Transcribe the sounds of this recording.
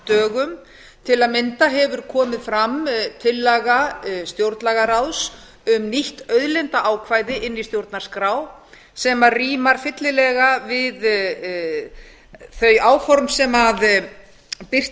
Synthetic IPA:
t̪œːɣʏm | t̪ʰɪlaðmɪnt̪aɦɛvʏɾ̥kʰɔːmɪðfɾamt̪ʰɪlːaɣast̪jowɾt̪laɣaraws | ʏmniht̪œɥðlɛnt̪aʔaːwkʰvaːjðɪʔɪnːist̪jowɾt̪naɾ̥skɾaːw | sɛmariːmaɾ̥fɪt̪lɪlɛɣavɪð | θœɥaːwfɔɾmsɛmað | pɪr̥

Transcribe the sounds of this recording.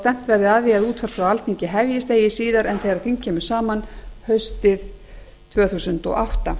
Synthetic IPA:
t̪ɛm̥t̪vɛɾðɪaðviaðuːt̪faɾ̥fɾawalt̪niɲcɪɦɛvjɪst̪eːjɪsiːðaɾɛnθejɣɾaθiŋcʰːɛːmʏ̥saːmanhœɥst̪ɪð | t̪ʰvœːθusʏnt̪ɔ̰ɣaht̪a

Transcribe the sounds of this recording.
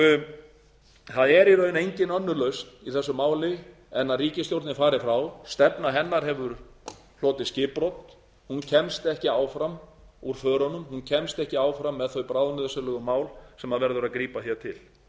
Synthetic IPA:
θaðɛɾjɛɾœːnejɲcɪnœnːʏlœɥst̪iθɛsːʏmaːwlɪ | ɛnːaðriːcɪst̪jowɾt̪nɪfaːɾɪfɾawst̪ɛpnaɦɛnːaɾ̥ɦɛvʏɾ̥ | l̥oːt̪ɪscɪːpɾowt̪n̥ | huncʰɛmst̪ɛhcɪaːwfɾam | uɾ̥fœːɾɔnʏmhuncʰɛmst̪ɛhcɪaːwfɾamːɛðθœɥpɾaːwðnʏðsʏlœɣʏmaːwlsɛmaðvɛɾðʏɾaðkɾiːpaθjɛt̪ʰɪl

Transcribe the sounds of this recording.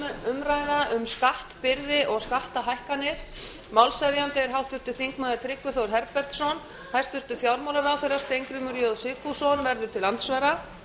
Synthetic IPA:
ʏmɾaːjðaʔʏmskaht̪pɪɾðɪʔɔɣskaht̪aɦajhkanːɪɾ̥ | mawlsaðjant̪ɛɪɾ̥ɦawht̪ʏɾ̥t̪ʏθiŋkmaːðɪt̪ʰɾɪkːʏθowɾ̥ɦɛɾpɛr̥t̪sɔn | hajst̪ʏɾ̥t̪ʏfjawɾmawlaɾawθejɾḁst̪ejŋkɾʏmʏɾjɔðsɪfusɔnvɛɾðʏɾ̥t̪ʰɪlːant̪svaɾa

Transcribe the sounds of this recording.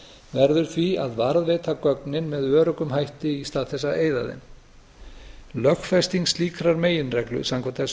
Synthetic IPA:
vɛɾðʏɾ̥θvia̰ðvaɾðvɪːt̪ʰakœknɪnmɛðvœːɾʏkʏmɦajht̪ɪist̪aːðθɛs̬ːaeːjðaðɪ̰n | lœxfɛst̪iŋst̪liːkʰɾaɾmeːjɪnrɛklʏ̰samkʰvat̪ɛs

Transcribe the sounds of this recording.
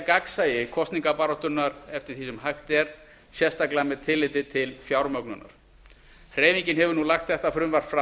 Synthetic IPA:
kaksajɪkʰɔst̪niŋkapaɾɔt̪ʏnːaɾɛft̪ɪɾ̥θiːsɛmɦajxt̪ɛɾ | sjɛst̪aklamɛðt̪ʰɪlːɪːt̪ɪt̪ʰɪlfjawɾmœknʏnːa̰ɾ̥ | hr̥eːjviɲcɪnɦɛvʏɾnulaxt̪θɛht̪afɾʏmvaɾ̥fɾa

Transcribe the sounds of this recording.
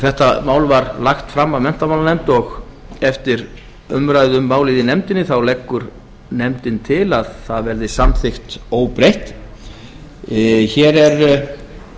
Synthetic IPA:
θɛht̪amaːwlvaɾlaxt̪fɾamːaðmɛn̥t̪amawlanɛmt̪ɔɣɛft̪ɪɾ | ʏmɾajðʏmːaːwliːðɪnɛmt̪ɪnːɪθawlekːʏɾ | nɛmt̪ɪnt̪ʰɪlaðθaðvɛɾðɪsamθɪxt̪oːwpɾejht̪ | çɛɾɛɾ

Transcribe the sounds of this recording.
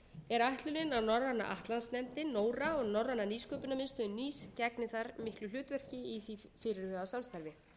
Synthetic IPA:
ɛɾajht̪lʏlɪnaðnɔɾvanːa̰ʔa̰ht̪lansnɛmt̪ɪnoːwɾaɔɣnɔɾvanːaniːskœːpʏnamɪnst̪ʏʏniːscɛknɪθaɾmɪhklʏl̥ʏːt̪vɛr̥cɪiθifɪɾɪɾ̥hœːɣasamst̪aɾvɪ

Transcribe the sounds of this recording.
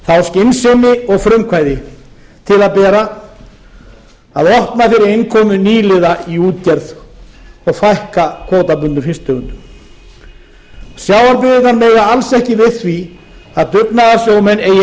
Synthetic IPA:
θawscɪnsɛmɪɔɣfɾʏmkʰvajðɪ | t̪ʰɪlaðpɛːɾa | aðɔhp̪nafɪɾɪɾejnkʰɔːmʏniːlɪðaiuːt̪cɛɾð | ɔɣfajhkakʰvoːwt̪apʏnt̪ʏfɪst̪œːɣʏnt̪ʏ | sjaːwaɾpɪðɪt̪nanmeːjɣaalsɛhcɪvɪðθvi | aðt̪ʏknaðasjoːwmɛnːeːj

